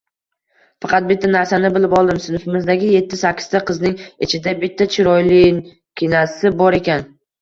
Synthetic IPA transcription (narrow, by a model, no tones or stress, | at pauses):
fɑqɑt̪̚bɪt̪ʰːanaɾsanɪbɪlɪpɒlˠd̪ɪmsʊnʊfɪmɪzd̪aɡʲɪje̞t̪ʰːɪsakʲʰːɪ̥zt̪aqʰɨznɪŋɪt͡ʃʰɪd̪abɪt̪ʰːat͡ʃʰɪɾɒjlɪn | kʲʰɪnasɪbɒɾe̞kʲan